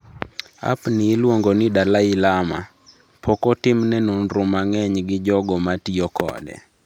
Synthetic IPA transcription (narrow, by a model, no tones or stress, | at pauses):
a̰pnɪːlwoŋɡonɪdalaɪlama̰ | pʰɔkɔtɪmnɛnonɾʊmaŋɛɲɡɪd͡ʒɔɡɔmatiɔkɔ̰dɛ̰